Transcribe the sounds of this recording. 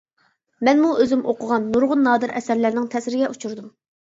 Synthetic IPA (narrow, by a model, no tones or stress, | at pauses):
mɛnmuøzɪmʔoqʰʊʁɑnːuɾʁʊnːɑːd̪ɨɾʔɛsæɾlæɾnɪŋt̪ʰɛsɾɪɡʲɛʔut͡ʃʰuɾd̪um